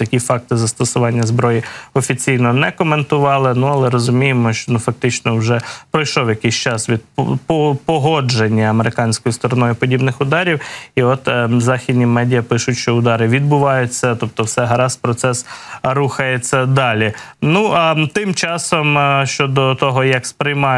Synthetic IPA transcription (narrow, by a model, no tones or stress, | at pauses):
t̪ɐkʲifɑk̚t̪ɪzɐst̪ɔsʊʋɑnʲːɐzbɾɔjiɔfʲit͡sʲijnɔnɛkɔment̪ʊʋɑlˠɪnuɐlˠɛɾɔzʊmʲijemɔʃt͡ʃɔnufɐk̚t̪ɪt͡ʃnɔwʒɛpɾɔjʃlɔwjɐkɪsʲt͡ʃɑsʋʲid̪̚ppɔpɔɦɔd͡ʒenʲːɐɐmeɾɪkɑnʲsʲkɔjʊst̪ɔɾɔnɔjʊpɔdʲibnɪxʊd̪ɑɾʲiwiɔt̪zɑxʲid̪ʲnʲimɛdʲijɐpɪʃʊtʲʃt͡ʃɔʊd̪ɑɾɪʋʲid̪̚bʊʋɑjʊt͡sʲːɐt̪ɔp̚t̪ɔwsɛɦɐɾɑspɾɔt̪sɛsɾuxɐjet͡sʲːɐd̪ɑlʲi | nuɑt̪ɪmt͡ʃɑsɔmʃt͡ʃɔd̪ɔt̪ɔɦɔjɐkspɾɪjmɑ